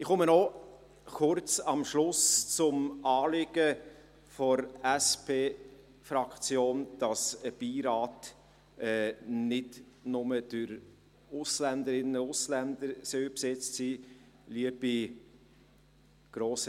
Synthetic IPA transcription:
ɪχʊmənɔ | χʊɾt͡sɑmʃlʊst͡sʊmɑːlɪɡ̥ə | fɔɾæspʰeː | fɾɑkt͡sjoːnd̥ɑsəb̥iːɾɑːt | ɛːnɪd | nʊməd̥əɾ | ʊslænd̪əɾɪnəʊslænd̪əɾsœpsɛt͡stsiː | liəb̥i | ɡ̥ɾoːsə

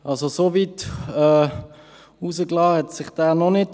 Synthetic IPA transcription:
ʔɑlzosovitɛː | uːsəklɑːhɛtsɪχd̥æːnɔnɪt

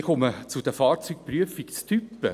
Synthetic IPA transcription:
χʊmət͡sʊd̥̪əfɑːɾt͡syk̚pryəfikst͡st̪ʰypːə

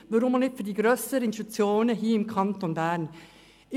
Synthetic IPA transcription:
ʋɑɾʊmɑnɪtfydiːɡɾøːsəɾəɪnstut͡sjoːnəɦiːɪmkʰɑnt̪ɔnbæːɾn | ɪ

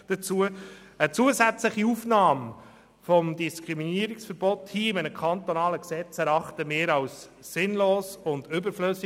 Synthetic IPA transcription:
d̥ət͡suəət͡suəzæt͡sləχiufnɑːm | fɔmdiskʁiminiəɾɪksfəɾbɔthiːɪmæɪnəkʰɑnt̪onɑːləksɛt͡sæɾɑχt̪əmeːɾɑwsː | ɪnloːsʊndʏbəɾfløs

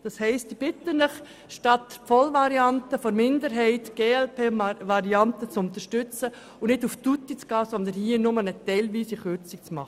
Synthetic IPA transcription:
d̥ɑshɛɪstib̥ɪtənəχ | ʃtɑtːəpfɔlʋɑɾiɑntəfɔɾmɪndəɾɦɛɪtɡ̥eːɛlpʰeːʋɑɾiɑntət͡sʊnt̪əɾʃtʏt͡sə | ʊnɪduftutit͡sɡ̥ɑːsɔnd̪ənhiːənʊmənətɛɪlʋiːsiχʏɾt͡sik̚t͡smɑ̰χə

